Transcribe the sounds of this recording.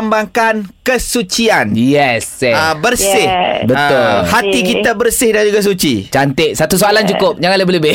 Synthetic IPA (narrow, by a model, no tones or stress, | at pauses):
mbaŋkankəsut͡ʃianjɛsɛabərsɪhbət̪ʊlhat̪ikit̪abərsɪhdand͡ʒuɡas̬ut͡ʃit͡ʃant̪ɪʔsat̪usoalant͡ʃukʊp̚d͡ʒaŋanləbeləbɪh